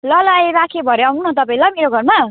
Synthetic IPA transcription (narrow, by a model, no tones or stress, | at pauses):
lʌlajɾakʰebʱʌɾeʌŋunõt̪ʌpaĩlameɾoɡʱʌrma